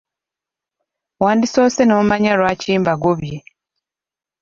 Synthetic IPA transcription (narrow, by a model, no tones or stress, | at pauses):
waːndiso̞ːsenoːmaɲaɾwaːciːmbaɡoβje